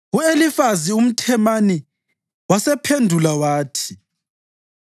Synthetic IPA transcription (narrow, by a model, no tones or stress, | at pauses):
uelifazium̩tʰɛmani | wasɛpʰendʱulawaːtʰi̥